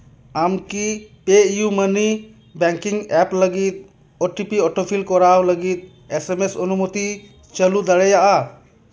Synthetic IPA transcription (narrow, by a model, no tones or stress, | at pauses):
amkipeijuməni | bɛŋkiŋɡɛpləɡit̪̚ | oʈipiɔʈʰopʰilkɔɾawləɡit̪̚ | esemesɔnumut̪i | t͡ʃəlud̪ɐɽɛjaʔa